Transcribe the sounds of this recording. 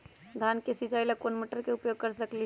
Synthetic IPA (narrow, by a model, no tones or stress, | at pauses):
d̪ʱankesid͡ʒailakonmiʈəɾkeupjoɡ̚kəɾsəkli